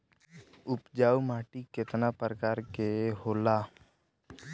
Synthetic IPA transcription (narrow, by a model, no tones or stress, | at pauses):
ʊpd͡ʒaːumaːʈiket̪napəɾəkaːɾkeɦoːlaː